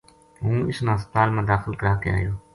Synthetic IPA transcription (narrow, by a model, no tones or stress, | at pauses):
ɦũːɪsnãːst̪aːlmãːd̪aːxɪlkəɾaːkəja̰ːɦjoː